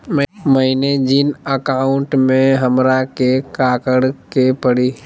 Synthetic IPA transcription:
mmɐɦined͡ʒɪnəkaːʊɳʈmẽɦɐmɾakekaːkəɽkepəɽi

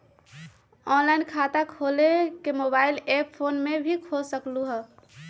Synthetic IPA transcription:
ɔːnlaɪnkʰaːt̪akʰoːlekemoːbaːɪleppʰoːnmebʱikʰolsəkluɦɛ

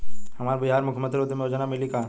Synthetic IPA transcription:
hɐmaːɾbiɦaːɾmʊkʰmənt̪ɾoːd̪imẽɐd͡ʒənamɪlika

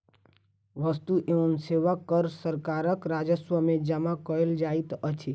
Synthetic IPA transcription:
ʋəst̪uʔeənseʋakːəɾsəɾkaːɾəkɾad͡ʒəswəmẽd͡ʒəmakəeld͡ʒaːit̪ət͡ʃʰe

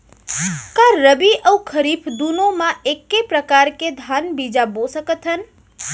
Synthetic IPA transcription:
kaɾəbiʔəwkʰəɾipʰd̪unomaʔekːepɾəkaɾked̪ʱanbid͡ʒabosəkət̪ʰɦən

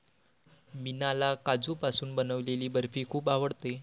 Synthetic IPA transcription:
minalakad͡zuːpasuːnbənəʋleliːbəɾfiːkʰuːpaʋəɽt̪e

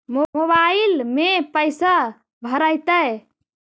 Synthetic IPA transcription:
mooβailmepəjsa | bʱəɾəjt̪əj

